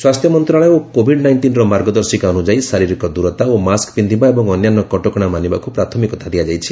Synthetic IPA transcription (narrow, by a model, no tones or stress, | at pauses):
swast̪ʰjɔmɔnt̪ɾaɭɔeokobʱiɖnajnʈinɾɔmaɾɡɔd̪ɔɾsikaɔnud͡ʒaisaɾiɾikɔd̪uɾɔt̪aomaskpind̪ʱibaebɔŋɔnjanːɔkɔʈɔkɔɽ̃amanibakupɾat̪ʰɔmikɔt̪ʰad̪ijad͡ʒajt͡ʃʰi̥